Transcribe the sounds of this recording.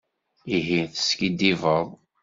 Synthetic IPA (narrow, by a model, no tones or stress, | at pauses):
iɦinθə̥skid̪ivəðˤ